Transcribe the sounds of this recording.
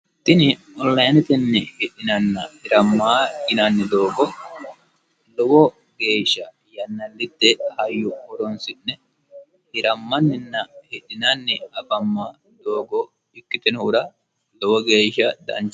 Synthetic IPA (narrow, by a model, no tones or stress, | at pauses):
t̪ːɪnɪ | ɔlːɐjnɛt̪ɛnːɛhɪɗɪnɐnːɐhɪɾɐmːaːɡɪnɐnːɛd̪o̞ːɡɔ | lɔwɔ | ɡe̞ːʃːɐ | jɐnːɐlːɪt̪ːɛhɐjːʊɔɾɔnsɪnːɛ | hɪɾɐmːɐnːɪnːɐhɛɗɪnɐnːɛɐbɐmːa | d̪o̞ːɡɔ | ɪkːɪt̪ɛnʊɾɐ | lɔwɔɡeːʃːɐd̪ɐ̰nt͡ʃː